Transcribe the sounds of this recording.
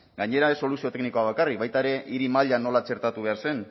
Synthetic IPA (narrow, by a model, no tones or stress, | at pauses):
ɡaɲe̞ɾaesːo̞lusiot̪ekniko̞aβ̞akarik̚βajt̪aeɾe̞ʔiɾimaʎano̞lat͡ʃe̞ɾt̪at̪uβe̞aɾse̞n